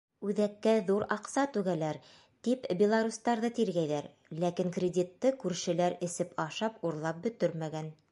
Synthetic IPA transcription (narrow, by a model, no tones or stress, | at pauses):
ʉðækːæðuɾɑqsɑt̪ʉɡælæɾ | t̪ipbʲɪlˠaɾust̪ɑɾðɤt̪iɾɡæjðæɾ | lækiŋkrʲɪdʲit̪ːɤkʉɾʃɘ̆læɾɘ̆sɘpɑʃɑpuɾlˠɑp̚bɵ̆t̪ɵɾmæɡæn